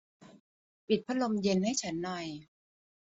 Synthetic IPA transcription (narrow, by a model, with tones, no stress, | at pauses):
pi˨˩t̪̚pʰa˦˥lo˧mje˧nha˥˩jt͡ɕʰa˦˥nːɔ˨˩j